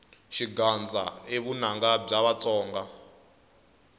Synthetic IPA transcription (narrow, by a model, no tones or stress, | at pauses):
ʃiɡand͡zʱa̰eβun̤aŋɡab͡ʐaβat͡sʼɔːŋɡa